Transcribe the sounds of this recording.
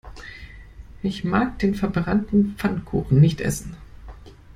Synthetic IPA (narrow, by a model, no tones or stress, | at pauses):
ʔɪçmaːk̚d̥eːnfɛɐbʁantn̩p͡fankʰṵːχn̩nɪçtʔɛ̰sn̩